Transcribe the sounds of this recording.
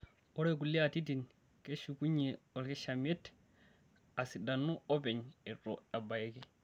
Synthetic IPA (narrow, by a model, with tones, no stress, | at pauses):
o˦ɾe˦k̬u˨lːi˦a˨ti˦t̬i˨n | ke˦ʃu˨ku˦ɲːe˨o˨lke˦ʃame˦t | a˨si˨da˨nːu˦o˦pe˨ɲe˨ɾo˨a˨ba˨je˦ke˨